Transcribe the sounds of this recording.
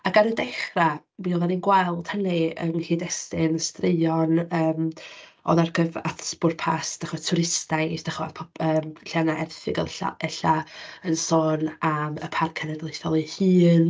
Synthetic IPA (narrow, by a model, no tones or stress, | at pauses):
aɡanədɛχramiɔðaninɡwalˠd̥həniə̰nhiːdɛstɪnəstreɔnəːmɔ̰ðarɡəva̰tʰb̥ʊrpʰasd̥aχɔtʰʊɾɪstajsd̥aχwaðpʰɔəːmɬanaʔɛrθɪɡə̰ɛɬaənsɔːnamə̰pʰarkʰɛnɛdlˠeθɔlˠɨhɨːn